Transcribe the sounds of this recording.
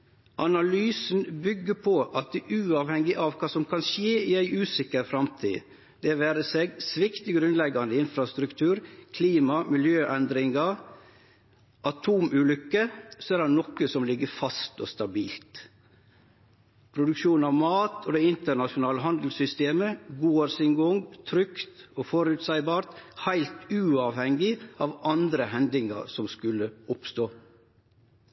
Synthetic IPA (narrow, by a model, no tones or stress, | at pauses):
ʔɑnɑlyːsn̩bʏɡːəpʰɔʔɑt̪̚d̪ɛʔʉːɑːʋhɛŋːɪʔɑʋkʰɑːsɔmkʰɑnʃeːɪæɪʔʉːsɪkəɾfɾɑmt̪ʰḭː | d̪̥ɛʋæːɾəseɡsʋɪkt̪ɪɡɾʉnlɛɡːɑnd̪əɪnfɾɑst̪ɾʉkt̪ʰʉːɾkʰliːmɑmɪljøːʔɛnd̪ɾɪŋɑ | ʔɑt̪ʰuːmʉːlʏkːəsɔæɾdɑnɔkːəsɔmlɪɡːəfɑst̪o̰ːst̪ɑbiːlt̪ | pʰɾʊd̪ʉkʃuːnɑʋmɑːt̪oːd̪ɛɪnt̪əɳɑʃʊnɑːləɦɑnd̪l̩sʏst̪eːməɡuːoɾsɪŋɡʊŋt̪ʰɾʏkt̪ | oːfɔɾʉːt̪sæɪbɑːɾt̪hæɪlt̪ʉːɑːʋhɛŋɪɑːʋɑnd̪ɾəhɛnd̪ɪŋɑ̰ɾsɔmskʉlːəʊpst̪oː